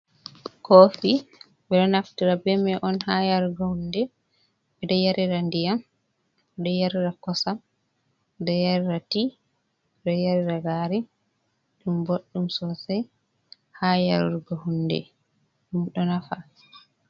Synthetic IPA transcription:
kofi | ɓɛɗɔnaftiɾabɛmɛʔɔnhajaɾuɡahundɛ | ɓɛdɔjaɾiɾandijam | ɛɗɔjaɾiɾakɔsam | dɔjaɾiɾati | ɗɔjaɾiɾaɡaɾi | ɗumboɗːumsɔsaj | haja̰ɾɾuɡɔhunːdɛ̰ | ɗumɗɔnafa

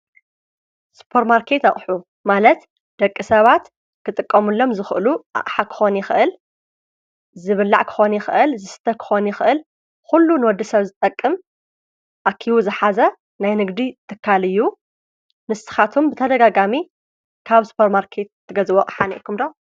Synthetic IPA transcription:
su̥pʰoɾmaɾkʰe̞t̪aχʼħu | malɐt̪ | d̪̥ɐkʼːisɐβat̪ | kʰɨt̪ʼɨkʼːɐmulːo̞mzɨxʔɨluʔa̰ʔʼħakʰɨ̥xo̞njɪxʔɨl | zɨβɨlːa̰ʕkʰɨ̥xo̞njɪxʔɨlzɨsɨ̥t̪ʰɐkʰɨ̥xo̞njɪxʔɨl | xulːunɨwɔd̪ːɐsɐβzɨt̪ʼɐkʼːɨm | ʔakʰːiβuzɨħazɐ | najnɨɡd̪it̪ʰɨkʰːalɨjːu | nɨst̪ɨ̥xat̪ʰumbɨt̪ʰɐd̪ɐɡaɡami | kʰaβsu̥pʰoɾmaɾkʰet̪̚t̪ʰːɨɡɐzɨβokʼħanḭʔkʰːumd̪o

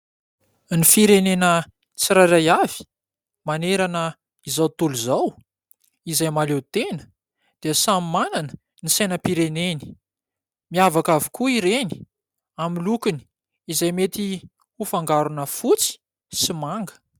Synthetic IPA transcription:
nifiɾenenə | t͡siɾaɾajav̥i̥ | maneɾanə | izawt̪uluzaw | izajmalewt̪enə̥ | d̪̥iəsamimananə̥ | nisajnəpiɾeneni̥ | miavakavikuiɾeni̥ | amilukuni̥ | izajmet̪i | ufaŋɡaɾunəfut͡si̥ | simaŋɡə̥

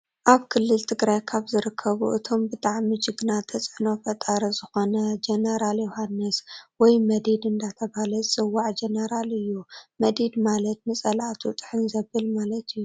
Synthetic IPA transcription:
ʔaβkʰɨlːɨlt̪ʰɨɡɾajkʰaβzɨɾɨkʰːɐβṵʔɨ̰t̪ʰo̞mbɨt̪ʼaʕmid͡ʒɪɡnat̪ʰɐt͡sʼɨno̞fɐt̪ʼaɾɐzɨxo̞nɐd͡ʒenɐɾaljohanːɨswɔjmɐd̪id̪ɨnd̪at̪ʰɐβalɐt͡sʼɨwːaʕd͡ʒɐnɐɾalɨjːumɐd̪id̪malɐt̪̚nɨsʼɐlat̪ʰut̪ʼɨ̥ħɨnzɐβɨlmalɐt̪ʰɨjːu

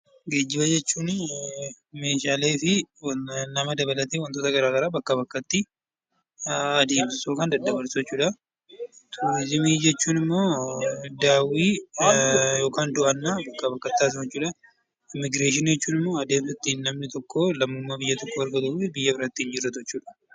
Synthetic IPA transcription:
ɡe̞ːd͡ʒːɪbɐd͡ʒɛt͡ʃːuːn | me̞ːʃaːle̞ːfɪwnɐmɐd̪ɐbɐlɐt̪eːwɐnt̪oːt̪ɐɡɐɾaːɡɐɾaːbɐkːɐbɐkːɐt̪ːɪ | ɐd̪e̞ːmsɪsoːkɐnd̪ɐd̪ːɐbɐɾsɛt͡ʃːuːᶑɐ | t̪ʰʊɪzɪmiːd͡ʒɛt͡ʃːuːnɪmːo̞ːd̪aːwiː | jo̞ːkaːnd̪ʊʔɐnːaːbɐkːɐbɐkːɐt̪ːaːd̪ɛt͡ʃːuːᶑɐ | ɪmːɪɡɾe̞ːʃ̬ɪnjɛt͡ʃːuːnɪmːo̞ːɐd̪e̞ːmsɪt̪ːinːɐmnɪt̪ɔkːoːlɐmːʊmːabɪjːɐt̪ɔkːoɐɾɡɐt̪ɐuːfɪbɪjːɐbɪɾɐt̪ːɪɪnd͡ʒɪrːɐt̪t͡ʃːuːᶑɐ̥

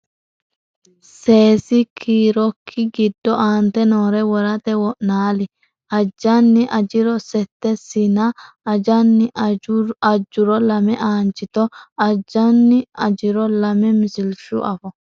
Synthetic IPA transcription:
se̞ːsɪkʰiːɾɔkʰːɪɡɪd̪ːɔʔaːnt̪ɛnoːɾɛwɔɾɐt̪ɛwɔʔnaːlɪ | ʔɐd͡ʒːɐnːɪʔɐd͡ʒɪɾɔsɛt̪ːɛsinɐː | d͡ʒɐnːɪ | ɐd͡ʒːʊɾɔlɐmɛʔaːnt͡ʃːɪt̪ɔɐd͡ʒɐnːɪɐd͡ʒɪɾɔlɐmɛmɪsɪlʃʊ̰ʔɐfɔ

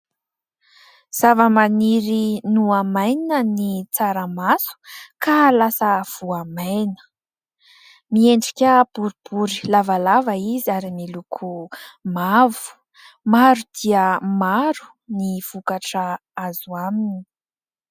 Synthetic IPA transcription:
z̥avəmaniɾinuamaj̪inənit͡saɾəmasu̥kalasəv̥uamajnə̥ | mieɳɖ͡ʐi̥kʲəb̥uɾib̥uɾi̥lavalavəiziaɾimilukʰumavu̥ | maɾud̪̥iəmaɾu̥ | niv̥ukaʈ͡ʂə | azuamini̥

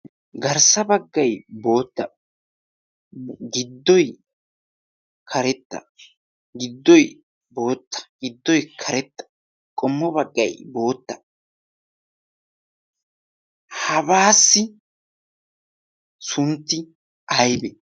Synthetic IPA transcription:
ɡɐɾsɐbɐɡːɐjbo̞ːt̪ːɐ | ɡɪd̪ːɔj | kʰɐɾɛt̪ːɐ̰ | ɡɪd̪ːɔj | bo̞ːt̪ːɐ̥ɡ̥ɪd̪ːɔjkʰɐɾɛt̪ːɐ̥ | kʼɔmːɔbɐɡːɐ̰jbo̞ːt̪ːɐ | hɐbaːsːɪ | sʊnt̪ːɪ | ɐjbɛ

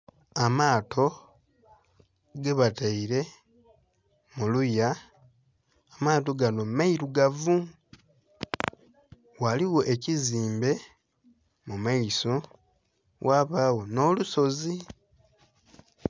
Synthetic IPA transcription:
amaːtʰo̞ | ɡeβataiɾe̞ | muluja | amaːto̞ɡanomaiɾuɡavu | waliwo̞ʔeciziːmbe̞ | mumaiso | wʔaːβawo̞no̞ːluso̞zi

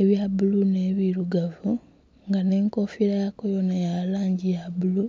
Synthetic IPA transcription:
eβjabuluneβiɾuɡavu | ŋɡaneːŋko̞fiɾajakojo̞najalaːɲɟijabulu

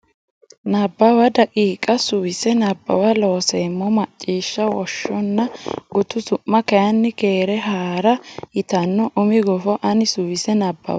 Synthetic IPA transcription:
nɐbːɐwɐd̪ɐkʼiːkʼɐsʊwɪsɛnɐbːɐ̰wɐlo̞ːsemːɔmɐt͡ʃʼːiːʃːɐwɔʃːɔnːɐɡʊt̪ʊsʊmːɐkɐjɐnːɪkeːɾɛɦaːɾɐɪt̪ɐnːɔʔʊmɪɡɔfɔʔɐnɪsʊwɪsɛnɐbːɐ̰w

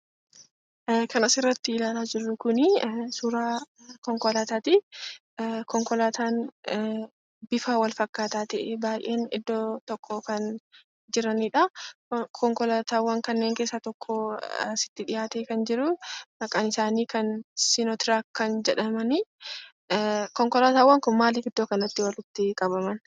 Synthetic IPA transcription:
kɐnɐsɪrːɐt̪ːɪɪlaːlaːd͡ʒɪrːʊkʊnɪsʊɾaː | kɔŋkɔlaːt̪aːt̪i | kɔŋkɔlaːt̪ʰaːn | bɪfaːwɐlfɐkːaːt̪aːt̪ɛʔebaːjʔeːnɪ̰d̪ːoːt̪ɔkːɔkɐn | d͡ʒɪɾɐniᶑɐkʰɔŋkɔlaːt̪aːwːɐŋkɐnːeːŋke̞ːsːat̪ɔkʰːosɪ̥t̪ːɪᶑɪjaːt̪eːkɐnd͡ʒɪɾʊmɐkʼɐnɪsaːniːkɐnsɪnɔt̪ɪɾakkːɐnd͡ʒɛᶑɐmɐnɪ | kɔŋkɔlaːt̪aːwːɐŋkʊnmaːliːɡɪd̪ːoːkɐnɐt̪ːɪwɐlʊt̪ːɪkʼɐbɐmɐn

